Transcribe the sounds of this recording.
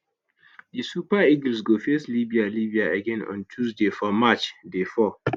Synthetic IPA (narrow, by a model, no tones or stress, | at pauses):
disupaiɡl̩sɡofeslibialibiaəɡɛ̃nɔ̰̃ntʰuzdefɔmat͡ʃdefɔ